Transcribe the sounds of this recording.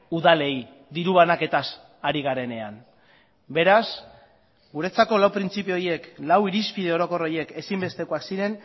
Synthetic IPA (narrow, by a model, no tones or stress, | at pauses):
uðale̞j | d̪iɾuβanake̞t̪as | aɾiɣaɾe̞ne̞an | be̞ɾas | ɡuɾe̞t͡sako̞lawpɾint͡sipio̞ɾje̞klawiɾispiðe̞o̞ɾo̞ko̞ro̞je̞ke̞simbe̞st̪e̞koaksiɾe̞n